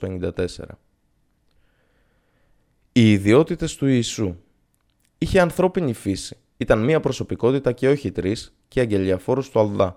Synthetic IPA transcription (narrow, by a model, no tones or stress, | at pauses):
oeɲind̪ɐt̪e̞se̞̰ɾɐ̰ | iːðio̞t̪it̪e̞st̪uiːsu | içe̞ɐnθɾo̞pinifisi̥ | it̪ɐnmiɐpɾo̞so̞piko̞t̪it̪ɐce̞o̞çit̪ɾis | ceɐɲɟe̞liɐfo̞ɾust̪uɐlðɐ